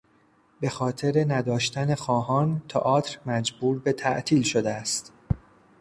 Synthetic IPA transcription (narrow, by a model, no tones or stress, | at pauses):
be̞xɒːt̪ʰe̞ɾenæd̪ɒːʃt̪æne̞xɒːɦɒːnt̪ʰɒʔɒːt̪ʰɾmæd͡ʒbuːɾbe̞t̪ʰæʔt̪ʰiːlʃo̞d̪eæst̪